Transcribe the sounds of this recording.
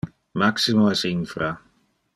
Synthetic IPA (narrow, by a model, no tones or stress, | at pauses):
maksimoɛsinfɾa